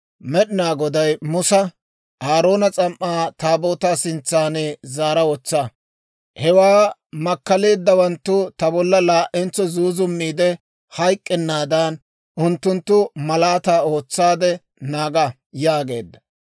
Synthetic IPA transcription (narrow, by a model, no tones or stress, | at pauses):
mɛɗɪnaːɡɔd̪ɐjmʊsɐ | aːɾo̞ːnɐt͡sʼɐmʔːaːt̪aːbo̞ːt̪aːsɪnt͡sːaːnɛzaːɾɐwɔt͡sːɐ | hɛwaːmɐkːɐle̞ːd̪ːɐwɐnt̪ːʊt̪ɐbɔlːɐlaːʔɛnt͡sːɔzuːzʊmːiːd̪ɛ | hɐjkʼːɛnːaːd̪ɐn | ʊnt̪ːʊnt̪ːʊmɐlaːt̪aːo̞ːt͡sːaːd̪ɛ | naːɡɐ | jaːɡe̞̰ːd̪ːɐ